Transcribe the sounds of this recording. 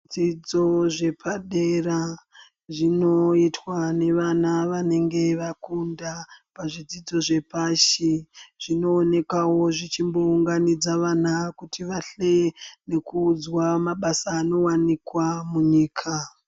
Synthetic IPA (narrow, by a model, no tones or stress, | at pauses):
ʐd͡zid͡zo̞ʐe̞pʰaɗeɾa | ʐino̞itwane̞ʋanaʋane̞ŋɡe̞ʋakundapaʐid͡zid͡zo̞ʐe̞paʃiʐ̥ino̞ːne̞kawo̞ʐit͡ʃimbo̞uŋɡanid͡zaʋanakutʰiʋaɬe̞ne̞kuːd͡zwamaɓasaːno̞wanikwamuɲiːkʰa